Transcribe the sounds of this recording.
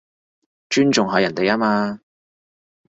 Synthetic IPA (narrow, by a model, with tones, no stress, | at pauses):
t͡ʃyː˥nt͡ʃʊ˨ŋɦɔː˨˧jɐ˨˩nt̪e˨jaː˥maː˧